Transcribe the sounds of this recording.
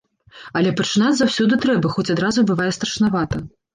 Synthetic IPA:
ɐlʲɛpɐt͡ʂɨnad͡zʲzawsʲɔd̪ɨt̪ɾɛbɐxɔt͡sʲad̪ɾazubɨvajɛst̪ɾɐʂnavat̪ɐ

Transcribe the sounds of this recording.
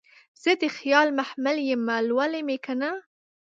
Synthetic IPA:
z̥ed̪exjɑːlmaħmaljemalwalemekʰana

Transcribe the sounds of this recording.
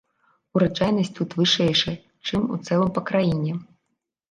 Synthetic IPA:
uɾɐt͡ʂajnɐsʲtʲt̪ut̪vɨʂɛjʂɐ | t͡ʂɨmṵt̪sɛlˠɐmpɐkɾajinʲi

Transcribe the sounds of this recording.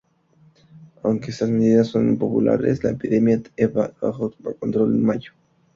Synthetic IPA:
awŋkeest̪asme̞ðiðasːo̞nmpo̞pula̰ɾḛslaepiðe̞mjaeβaβa̰xot̪pakont̪ɾo̞lenmaʝo̥

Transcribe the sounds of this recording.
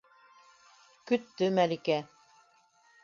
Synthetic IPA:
kɵt̪ːɵmælikæ

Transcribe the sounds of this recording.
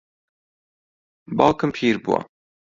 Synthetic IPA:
bɑːlkɨmpʰiːɾbṵwɐ̰

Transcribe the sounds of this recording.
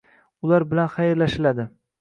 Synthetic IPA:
ʊlaɾbɪlanχɑjɪɾlaʃɪlad̪ɪ

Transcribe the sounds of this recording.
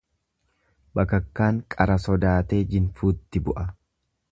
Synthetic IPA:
bɐkɐkːaːŋkʼɐɾɐsɔd̪aːt̪e̞ːd͡ʒɪnfuːt̪ːɪbʊʔɐ

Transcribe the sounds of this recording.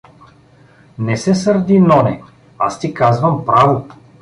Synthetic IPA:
nɛsɛsəɾd̪inɔnɛ | a̰st̪ikazvɐmpɾavʊ

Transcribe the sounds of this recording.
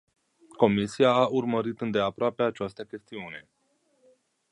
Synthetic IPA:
ko̞misiaːurməɾit̪ɨnd̪e̞apɾoapeat͡ʃast̪akʲe̞st̪iune̞

